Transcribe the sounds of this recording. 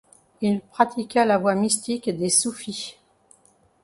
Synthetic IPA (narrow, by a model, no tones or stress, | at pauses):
ilpχat̪ʰikʲalavwamist̪ikd̪esufi